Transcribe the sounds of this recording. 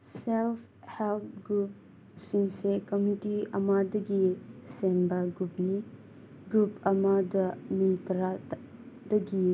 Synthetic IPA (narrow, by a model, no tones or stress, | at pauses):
selpʰ | heltɡɾup̚ | siŋsekɐmitiɐmadɐɡisembɐɡɾup̚ni | ɡɾupɐmadɐmitɾa | dɐɡi